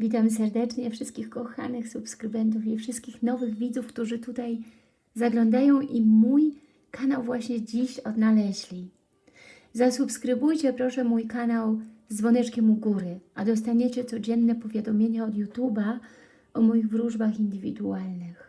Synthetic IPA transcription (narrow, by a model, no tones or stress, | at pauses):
vʲit̪̬amsɛɾd̪ɛt͡ʂɲɛfʂɘst̪̚kʲixkɔxa̰nɘxsupskɾɘvɛnt̪̬ufifʂɘst̪kʲixnɔvɘɣvʲid̪zufkt̪uʐɘt̪ut̪aj | zaɡlɔnd̪ajɔ̃w̃ʔimuj | kanawvwaɕɲɛd͡ʑiɕɔd̪nalɛʑlʲi | zasupskɾɘbujt͡ɕɛpɾɔʂɛmujkanawzd̪vɔnɛt͡ʂkʲɛmuɡuɾɘʔad̪ɔst̪aɲɛt͡ɕɛt̪sɔd͡ʑɛnːɛpɔvʲjad̪ɔmʲjeɲaɔd̪jut̪ʲuba | ɔmɔjiɣvɾuʐbaxind̪ɘvʲḭd̪ualnɘx